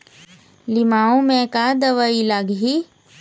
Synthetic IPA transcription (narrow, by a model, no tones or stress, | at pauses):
lɪmaːõmẽkad̪əʋəilaɡɦi